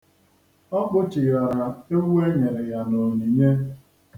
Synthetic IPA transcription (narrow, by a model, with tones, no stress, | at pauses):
ɔ˦k͡pʊ˦t͡ʃɪ˨ja˨ɾa˨e˦we˦ɲe˨ɾe˨ja˨no˨ni˨ɲe˦